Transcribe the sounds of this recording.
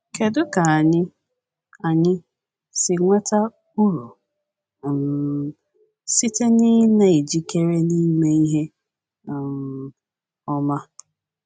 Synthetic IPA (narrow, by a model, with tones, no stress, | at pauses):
kʰe˨dʊ˦ka˨a˨ɲɪ˦ | a˨ɲɪ˦ | sɪ˨ŋʷa˦ta˦ | u˦ɾu˨ | m˨ | si˦te˦nɪ˦na˨i˨d͡ʒi˦ke˦ɾe˦ni˦me˦i˦ɦe˦˨ | m˨ | ɔ˦ma˦